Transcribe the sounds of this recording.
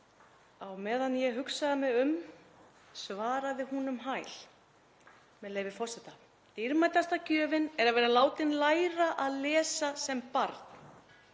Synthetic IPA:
awmɛːðanjɛɦʏksaðamɪʏm | svaːɾaðɪhunʏmɦaːjl̥ | mɛðleːjvɪfɔrsɛt̪a | t̪iɾmajt̪ast̪acœːvɪnɛɾavɛːɾalaːwt̪ɪnlaːjɾaʔaðlɛːsasɛmpaɾt̪n̥

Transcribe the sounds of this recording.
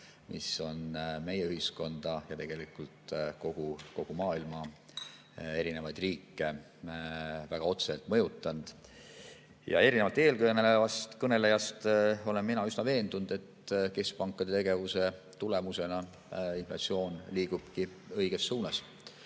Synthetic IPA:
mʔiso̞nme̞jeyɦisko̞nd̪̥ɑjɑt̪e̞ɡ̥e̞likult̪ko̞ɡ̥uko̞ɡ̥umɑːilmɑ | e̞ɾine̞vɑjd̪̥riːkːe | væɡ̥ɑo̞t̪selt̪ˑmɤjut̪ːˑɑnd̪̥ | jɑ̰e̞ɾinevɑlt̪e̞ːlkɤnelevɑst̪kɤne̞lejɑst̪o̞le̞nminɑysnɑve̞ːnd̪̥und̪̥e̞t̪ːke̞sk̚pɑŋkˑːɑd̪e̞t̪e̞ɡ̥e̞vuse̞ | t̪ule̞muse̞nɑ | inflɑ̰t̪sio̞ːnliːɡ̥ub̥ki | ɤ̞jɡ̥e̞sːuːnɑs

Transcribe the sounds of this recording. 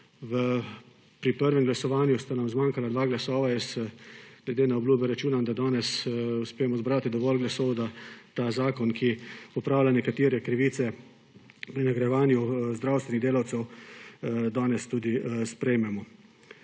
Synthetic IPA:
ʋə | pɾipəɾʋɛmɡlasɔʋaːnjust̪anamzmaːŋkalad̪ʋaːɡlasɔːʋajɛs | nɛɡd̪eːnaɔbluːbjɛɾat͡ʃuːnamd̪ad̪ɔːnɛsuspeːjɛmɔzbɾaːt̪id̪ɔʋɔlɡlasɔwd̪at̪aːzaːkɔnkʰiɔpɾaːwlʲanɛkat̪iːɾɛkɾiʋiːsɛ | pɾinaɡɾajɛʋaːnjuzd̪ɾaːwst̪ʋɛniɣd̪eːlawt̪sɛw | d̪aːnɛst̪uːd̪ispɾɛjmɛmɔ

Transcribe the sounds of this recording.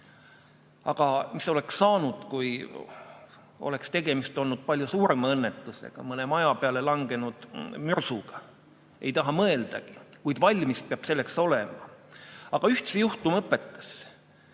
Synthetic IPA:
ɑɡ̥ɑmiso̞leksːɑːnud̪̥kuj | ole̞kst̪e̞ɡ̥e̞mist̪o̞lnud̪̥̚pɑlʲjusuːɾemɑɤnːet̪ːˑusḛɡ̥ɑ̰mɤnemɑjɑpeɑlelɑŋɡ̥e̞nud̪̥myrsuɡ̥ɑ̥ | ʔe̞jt̪ɑɦɑmɤe̞ld̪̥ɑɡ̥ikujd̪̥vɑlʲmispeɑb̥se̞lːe̞kso̞le̞mɑ̰ɑɡ̥ɑyht̪sejuht̪umɤpːˑe̞t̪ːˑɑ̥s

